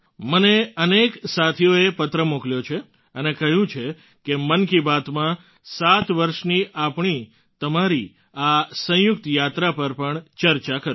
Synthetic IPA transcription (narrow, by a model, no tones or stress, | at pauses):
məneəneksat̪ʰijoepət̪ɾəmukljot͡ʃʰe | ənekəɦjũt͡ʃʰe | kemənkibat̪mã | sat̪ʋəɾʃniʔapɳ̃i | t̪əmaɾi | asə̃jʊk̚t̪jat̪ɾapəɾpəɳt͡ʃəɾt͡ʃakəɾ